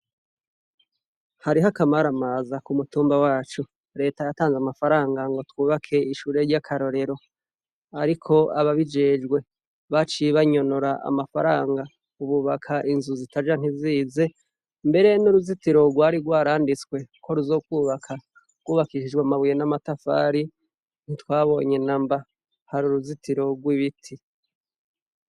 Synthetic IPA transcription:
haɾiɦakamaɾamazakumutuːmbawaːt͡ʃu | ɾe̞ːtajataːnzamafaɾaːŋɡaŋɡo̞twuːβakʰe̞iʃuːɾe̞ɾɟakʰaɾo̞ɾe̞ɾo̞ | aɾikʰo̞aβaβid͡ʒe̞ːd͡ʒɡwe̞ | βat͡ʃiβaɲo̞noɾaʔa̰mafaɾaːŋɡa | uβuβakʰaʔinzuzitad͡ʒan̥hiziːze̞ | mbe̞ɾe̞nuɾuzitiɾo̞ɡwaːɾiɡwaːɾaːndit͡skwe̞kʰo̞ɾuzo̞ːkwuːβakʰa | ɡ̥wuːβakiʃid͡ʒɡwamaβujenamatafa̰ːɾi | n̥itwaːβo̞̰ːɲe̞namba | haɾuɾuzitiɾo̞ɡwiβitʰi

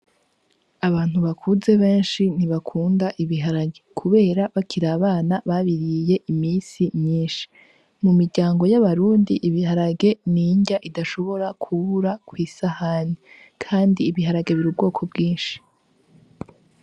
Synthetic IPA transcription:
aβaːn̥uβakʰuze̞βe̞ːnʃin̥iβakʰuːndaʔiβiɦaɾaɡekʰuβe̞ːɾaβakʰiɾaːβaːnaβaβiɾije̞ʔimiːnsimɲiːnʃi̥ | mumiɾɟaːŋɡo̞jaβaɾuːndiʔiβiɦaɾaɡe̞niːɲɟaʔidaʃo̞βo̞ɾakʰuβuɾakwiːsahaːni | kʰaːndiːβiɦaɾaɡe̞βiɾub̚ɡo̞ːkʰo̞bɡiːnʃi̥

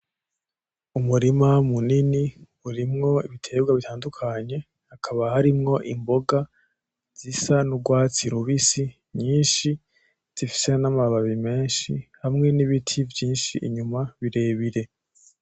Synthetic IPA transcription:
umuɾimamunini | uɾimŋo̞iβitʰe̞ːbɡwaβitʰaːndukʰaɲe̞ | hakʰaβahaɾimŋo̞ʔimbo̞ɡa | z̥isanuɡwaːt͡siɾuβisi | ɲiːnʃi | z̥ifi̥senamaβaβime̞ːnʃihamŋe̞niβitʰivjiːnʃiʔiɲumaβiɾe̞ːβiɾe̞

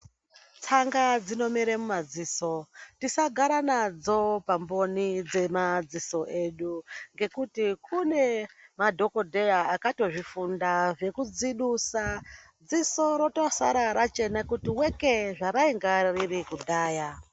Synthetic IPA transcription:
t͡saŋɡad͡zino̞miɾemumad͡ziːso̞tisaɡʱaɾanad͡zo̞pambo̞nid͡ze̞mad͡ziso̞ʔe̞ɗuŋɡe̞kutikʰune̞madʱo̞ko̞dʱe̞jaːkato̞ʐifundaʐe̞kud͡ziɗusa | d͡ziso̞ɾo̞tosa̰ɾaɾat͡ʃe̞nakutiweke̞ʐaɾaiŋɡaririkudʱaːja

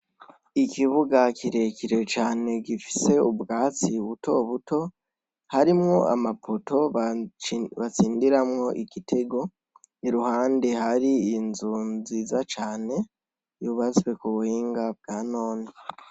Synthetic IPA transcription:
ikiβuɡakiɾe̞kʰiɾe̞t͡ʃaːne̞ɡifi̥se̞ubɡaːt͡siβutʰo̞βuto̞ | haɾimŋo̞a̰mapʰoto̞ | βat͡siːndiɾamŋo̞ʔiɡitʰe̞ɡo̞ | iɾuhaːnde̞haɾiːnzunzizat͡ʃaːne̞ | juβat͡swe̞kuβuhiːŋɡab̚ɡaːno̞ːni

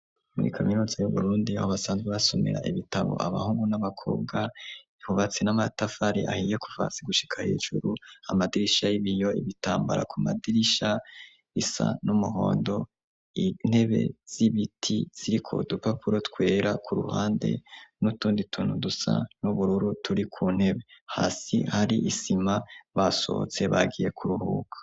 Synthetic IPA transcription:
muɾḭkʰaminuːzajuβṵɾuːndiahoβasaːnzɡeβaso̞mḛɾa̰ʔiβitaβo̰ʔa̰βa̰huːŋɡunaβakʰo̞̰ːbɡaihuvat͡senamatafaɾiʔa̰hijeku̥va̰t͡siɡuʃi̥kʰahḛːʒṵɾuamadiɾiʃajiβijo̞ḭβitaːmbaɾa̰kʰumadiɾiʃa | isa̰numuɦo̞ːndo̞ | in̥he̞βe̞̰z̥iβitʰiz̥iɾikʰo̰dupapuɾotwe̞ːɾakʰuɾṵhaːnde̞̰nutuːnditʰunudusa̰nuβuɾuɾutʰuɾikʰuːn̥he̞βe̞haːsihaɾiʔisimaβaso̰t͡se̞βa̰ɡije̞kʰuɾuhṵːkḁ

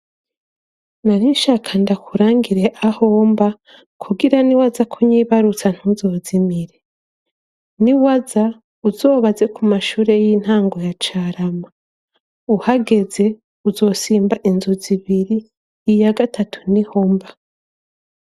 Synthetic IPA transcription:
naniʃakʰandakʰuɾaːŋɡiɾe̞ʔaho̞ːmba | kʰuɡiɾaniwazakʰuɲiβaɾut͡san̥huzo̞ːzimiɾe̞ | niwaza | uzo̞ːβaze̞kumaʃuːɾe̞jiːn̥haːŋɡo̞jat͡ʃaːɾama | uhaɡe̞ze̞ | uzo̞ːsiːmbaʔinzuziβiɾiː | jaɡatatʰu̥niho̞mba

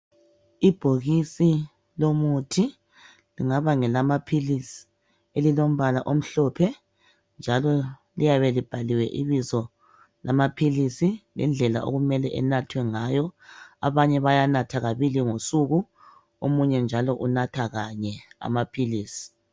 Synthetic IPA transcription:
ib̥ʱoɣisi | lomutʰi | liŋaβaŋɛlamapʰilisi̥ | elilom̩βalaʔom̩ɬɔpʰɛ | nd͡ʒʱalɔlijaβɛlib̥ʱaliwɛ̰ʔiβizɔ | lamapʰilisilɛ̰nd͡ɮʱɛla̰ʔo̰ɣumɛlɛʔɛ̰natʰwɛŋajɔa̰βaɲɛβajanatʰaɣaβiliŋosuɣu | omuɲɛnd͡ʒʱalɔʔunatʰaɣaɲɛa̰mapʰiliːsi̥

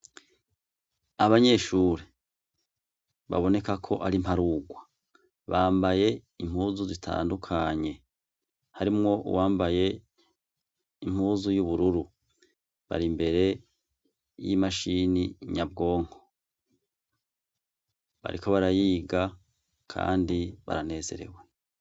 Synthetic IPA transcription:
aβaɲe̞ʃuːɾe | βa̰βo̞ne̞kakʰo̞ʔaɾim̥haɾuɡwa | βaːmbaje̞im̥huːzuzitʰa̰ːndukʰaɲe̞ | haɾimŋo̞ṵwaːmbaje̞ | im̥huːzujuβuɾuɾu | βa̰ɾimbe̞ɾe̞ | jimaʃiniɲabɡo̞ːŋho̥ | βa̰ɾiko̞βaɾajiːɡa | kʰa̰ːndiβa̰ɾane̞ːze̞̰ɾe̞̰we

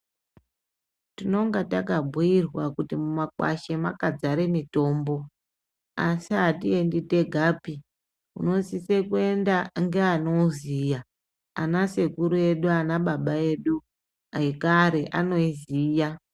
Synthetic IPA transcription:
tino̞ŋɡatakabʱujirwakutimumakwa̰ʃe̞makad͡zaɾe̞mito̞ːmbo̞ | asiɦatie̞ndite̞ɡʱaːpi | ṵno̞sisekue̞ndaŋɡeano̞zija | a̰nase̞kuɾue̞ɗuanaɓaɓae̞ɗu | aikaɾe̞ʔano̞iziːja

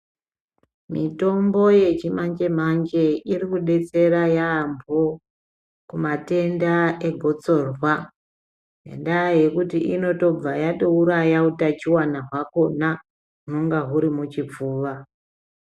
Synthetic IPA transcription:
mito̞mbo̞je̞t͡ʃimaɲd͡ʒe̞m̤aɲd͡ʒe̞irikuɗe̞t͡se̞ɾajaːmbo | kumate̞ndaeɡʱo̞t͡so̞rwa | nḛndaaje̞kutiʔino̞to̞b͡vajaɗouɾajautat͡ʃiwanaɦwako̞na | ɦunoŋɡaɦuɾimut͡ʃip͡fuːʋa

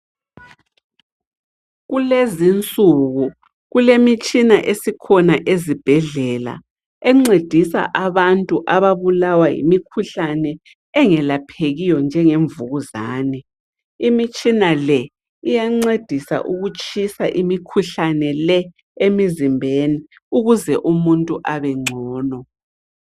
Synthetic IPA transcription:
ɣulezint͡sʼuɣu | ɣulemit͡ʃʼinaʔesikʰɔnaʔezib̥ʱɛɮɛla̰ | ɛŋ͡ǀed̥ʱisa̰ʔaβantʼuʔaβaβulawajḭmikʰuɬanɛ | ɛŋɛlapʰeɣijɔnd͡ʒʱɛŋeɱvuɣuzaːnɛ | imit͡ʃʼinalɛ | ijaŋ͡ǀed̥ʱisa̰ʔuɣut͡ʃʼisa̰ʔimikʰuɬanɛlɛ | emizimbʱeni | uɣuzɛʔumuntʼuʔaβɛŋ͡ǀʱɔːnɔ

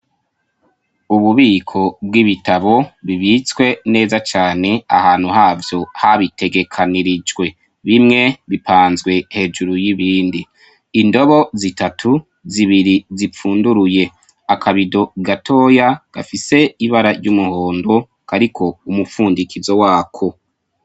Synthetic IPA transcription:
uβuβiːkʰo̞b̚ɡiβitaβo̞βiβit͡swe̞ne̞ːzat͡ʃaːne̞a̰haːnhuhaːvjo̞haβite̞ɡe̞kʰaniɾid͡ʒɡwe̞ | βimŋe̞βipʰaːnzɡwe̞he̞ːd͡ʒuɾujiβiːndiː | ndo̞βo̞zitatʰu | ziβiɾizip͡fuːnduɾuje̞ | akʰaβido̞ɡatʰo̞ːjaɡ̥a̰fise̞iβaɾaɾɟumuho̞ːndo̞ | kaɾikʰo̞umufuːndikizo̞waːkʰo̞

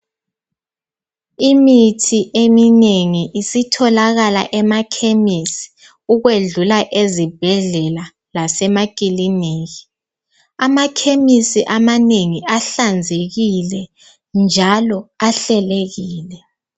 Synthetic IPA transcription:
imitʰiʔemineŋiʔisitʰɔlaɣala̰ʔɛmakʰemisi̥ | uɣweɮulaʔezib̥ʱɛɮɛla | lasɛmakʼilineːji | amakʰemisiʔamaneŋiʔaɬand͡zʱeɣilɛ | nd͡ʒʱalɔaɬɛleɣiːlɛ

